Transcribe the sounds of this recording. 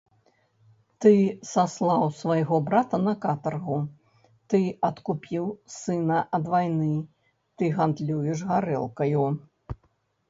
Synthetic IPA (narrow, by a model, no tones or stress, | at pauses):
t̪ɨsaslˠawsvajɣɔbɾat̪ɐnɐkat̪ɐrɣu | t̪ɨɐt̪kupʲiwsɨnɐʔɐd̪vajnɨ | t̪ɨɣand̪lʲujɛʂɣaɾɛ̰lˠkɐju